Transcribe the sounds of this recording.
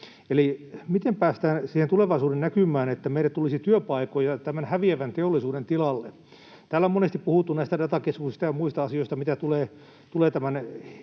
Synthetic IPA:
elimit̪empæːst̪æːnsiːhent̪uleʋɑisuːdennækymˑæːnet̪ːæmeilːæt̪t̪ulisit̪yøpɑikojɑt̪æmænhæʋieʋænt̪eolːˑisuːdent̪ilɑlːe | t̪æːlːæomonest̪ippuhut̪ːunæist̪ædɑt̪ɑkeskusist̪ɑjɑmuist̪ɑɑsioist̪ɑmit̪æt̪uleː | t̪uleːt̪æmæn

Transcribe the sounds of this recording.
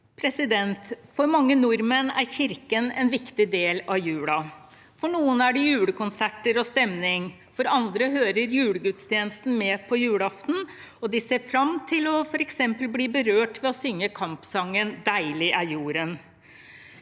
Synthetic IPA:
pʰɾɛsɪd̪ɛnt̪fɔɾmɑŋːənʊɾmənæ̰ɾçɪɾkənɛnʋɪkt̪ɪd̪eːlɑʋjʉːɽɑ | fɔɳuːənæɖɛjʉːɽəkʊnsæʈːəɾɔst̪ɛmnɪŋ | fɔɾɑnd̪ɾəɦøːɾəɾjʉːɽəɡʉt̪st̪ʰjeːnəst̪n̩mɛːpʰɔjʉːɽɑft̪n̩ | ɔd̪ɪseːɾfɾɑmt̪ʰɪlɔfɔɾɛksɛmpəlbliːbəɾøːʈʋɛɔsʏŋːəkʰɑmpsɑŋːənd̪æɪlɪʔæjuːɾən

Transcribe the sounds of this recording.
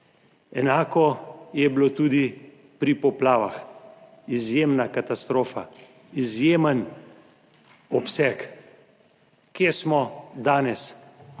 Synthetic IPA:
ɛnaːkɔjɛblot̪uːd̪i | pɾipɔplaːʋax | izjemnakat̪ast̪ɾoːfa | izjeːmən | ɔpsɛk | kːjesmɔd̪aːnɛs

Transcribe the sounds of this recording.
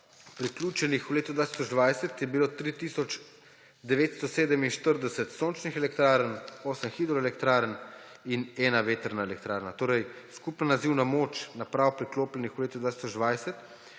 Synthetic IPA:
pɾikluːt͡ʃɛnixuleːt̪ud̪ʋaːt̪i̥sɔd͡ʒd̪ʋajsɛt̪jɛbilot̪ɾit̪isɔt͡ʃ | d̪ɛʋeːt̪st̪ɔseːd̪əminʃt̪əɾd̪ɛsɛt̪soːnt͡ʃnixɛlɛk̚t̪ɾaːɾənoːsənxid̪ɾɔɛlɛkt̪ɾaːɾən | inɛːnaʋeːt̪əɾnaelɛk̚t̪ɾaːɾnat̪oːɾɛj | skupnanaziwnamoːt͡ʃnapɾaːwpɾikloːplɛnixuleːt̪ud̪ʋaːt̪i̥sɔd͡ʒd̪ʋajsɛt̪

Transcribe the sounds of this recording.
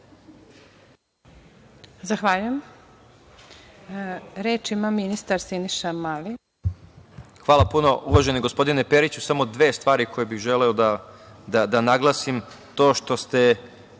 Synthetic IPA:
zaxʋaʎujem | ɾeːt͡ʃimaminist̪aɾsiniʃamali | xʋaːlˠapuno̞ʔuʋaʒe̞niɡo̞spo̞d̪inepeɾit͡ɕusamo̞d̪ʋe̞ːst̪ʋaːɾiko̞jebiɣʒeleod̪ad̪ad̪anaɡlˠasim | t̪o̞ːʃt̪o̞st̪e̞

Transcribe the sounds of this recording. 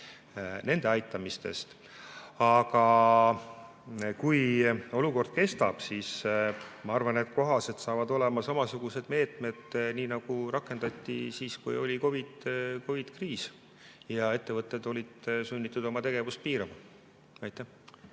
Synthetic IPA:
ne̞nd̪eɑjt̪ˑːɑmist̪e̞̰st̪ | ɑɡ̥ɑ | kujo̞luko̞rd̪̥̚ke̞st̪ɑb̥siːsmɑɑrvɑnet̪̚ko̞ɦɑse̞t̪sɑːvɑd̪o̞le̞mɑsɑmɑsuɡ̥use̞d̪̥me̞ːt̪ˑme̞d̪̥niːnɑɡ̥uɾɑkˑːe̞nd̪̥ɑt̪ʲˑːisiːskujo̞lʲiko̞vid̪̥ko̞vid̪̥kriːs | jɑe̞t̪ːe̞vɤt̪ːˑe̞d̪o̞lʲid̪̥sunʲːit̪ːˑud̪̥o̞mɑt̪e̞ɡ̥e̞vust̪̚piːɾɑmɑ | ɑjt̪ːˑæh

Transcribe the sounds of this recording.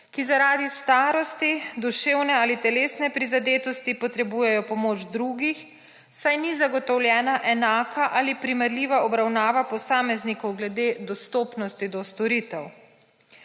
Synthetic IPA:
kizaɾaːd̪ist̪aːɾɔst̪id̪uʃeːwnɛaːlit̪ɛleːsnɛpɾizad̪eːt̪ɔst̪ipɔt̪ɾɛbuːjɛjɔpɔmoːd͡ʒd̪ɾuːɡix | sajnizaɡɔt̪ɔwlʲjɛːnaʔɛnaːkʰaʔaːlipɾimɛɾliːʋaɔbɾawnaːʋapɔsaːmɛznikɔwɡlɛd̪eːd̪ɔst̪oːpnɔst̪id̪ɔst̪ɔɾit̪ɛw

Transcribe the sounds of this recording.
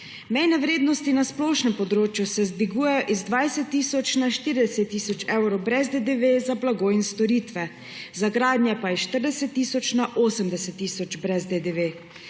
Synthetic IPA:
mɛjnɛʋɾeːd̪nɔst̪inasplɔʃnɛmpɔd̪ɾoːt͡ʃjusɛzd̪ʋiɡuːjɛjɔʔizd̪ʋajsɛt̪ːiːsɔt͡ʃnaʃt̪iːɾid̪ɛsɛt̪ːiːsɔt͡ʃɛwɾɔwbɾɛzd̪ed̪eʋezablaɡoːinst̪ɔɾiːt̪ʋɛ | zaɡɾaːd̪nʲjɛpajɛʃt̪əɾd̪ɛsɛt̪ːiːsɔt͡ʃnaʔoːsəmd̪ɛsɛt̪ːiːsɔt͡ʃbɾɛzd̪ed̪eʋe

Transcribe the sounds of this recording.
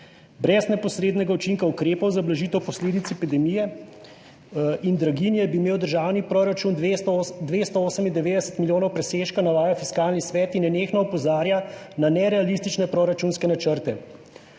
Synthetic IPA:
bɾɛznɛpɔsɾeːd̪nɛɡaut͡ʃiŋkaukɾeːpɔwzablaʒiːt̪ɛwpɔsleːd̪it̪sɛpid̪ɛmijɛ | ind̪ɾaɡinjɛbiːmeːwd̪əɾʒaːwnipɾɔɾat͡ʃund̪ʋeːst̪ɔoːsəmind̪ɛʋeːd̪ɛsə̥t̪miljoːnɔwpɾɛseːʃkanaʋaːjafiskaːlnisʋɛːt̪inɛneːxnɔɔpɔzaːɾja | nanɛɾɛalist̪it͡ʃnɛpɾoɾat͡ʃunskɛnat͡ʃəɾt̪ɛ

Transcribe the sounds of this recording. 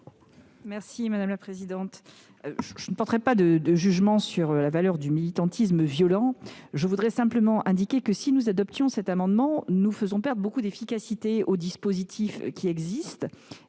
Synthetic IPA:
mɛʁsimad̪amlapχezid̪ɑ̃t̪ | ʒʒənəpɔʁt̪əʁɛpad̪əd̪əʒyʒmɑ̃syʁlavalœʁd̪ymilit̪ɑ̃t̪ʰisməvjɔlɑ̃ʒəvud̪ʁɛsɛ̃pləmɑ̃ʔɛ̃d̪ikʲekəsinuzad̪ɔp̚t̪jɔ̃sɛt̪amɑ̃d̪mɑ̃nufəzɔ̃pɛʁd̪ʁbokud̪efikasit̪eod̪ispozit̪ʰifkʲiɛɡzist̪

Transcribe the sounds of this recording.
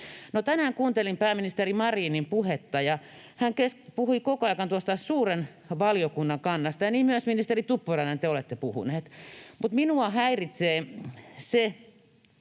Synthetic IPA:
not̪ænæːŋkuːnt̪elimpæːminist̪erimɑriːnimpuhet̪ːɑjɑ | hæŋkespuhuikokoɑikɑnt̪uost̪ɑsuːren | ʋɑljokunːɑŋkɑnːɑst̪ɑjɑniːmmyøsminist̪erit̪upːurɑnent̪eolet̪ːepuhṵneːt̪mut̪minuɑhæirit̪seːse

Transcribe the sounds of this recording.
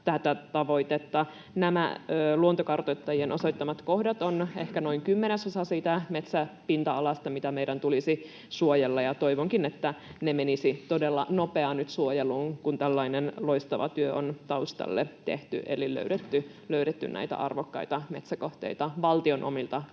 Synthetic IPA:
t̪æt̪æt̪ɑʋoit̪et̪ːɑ | næmæ̰øːluont̪okɑrt̪ot̪ːɑjienʔosoit̪ːɑmɑt̪kohdɑt̪onehkænoiŋkymːenesosɑsiːt̪æmet̪sæpint̪ɑɑlɑst̪ɑmit̪æmeidænt̪ulisi | suojelːɑjɑt̪oiʋoŋkinet̪ːænemenisit̪odelːɑnopeɑnyt̪suojeluːŋkunt̪ælːɑinenloist̪ɑʋɑ̰t̪yøont̪ɑust̪ɑ̰lːḛt̪ḛht̪y̰ʔḛlilø̰yɾet̪ːy | løyɾet̪ːy̰nnʔæ̰it̪æ̰ʔɑ̰rʋokːɑ̰it̪ɑmet̪sækoht̪ḛit̪ɑʋɑlt̪ionʔo̰milt̪ɑ

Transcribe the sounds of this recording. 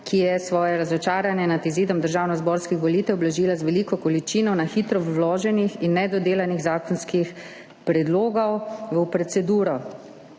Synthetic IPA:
kʰijɛsʋɔːjɛɾazɔt͡ʃaːɾanjɛnat̪iziːd̪ɔmd̪əɾʒaːwnɔzbɔɾskixʋɔliːt̪ɛwblaʒiːlazʋɛliːkɔkɔlit͡ʃinɔwnaxiːt̪ɾɔlɔːʒɛnixinːɛd̪ɔd̪eːlaniɣzaːkɔnskix | pɾɛd̪loːɡɔwʋəpɾɛt̪sɛd̪uːɾɔ

